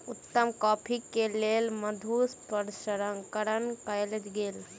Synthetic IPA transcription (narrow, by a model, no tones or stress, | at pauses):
ut̪ːəmkɔpʰikːelelməd̪ʱuspəɾsəɾəŋkəɾənkajled͡ʒɡel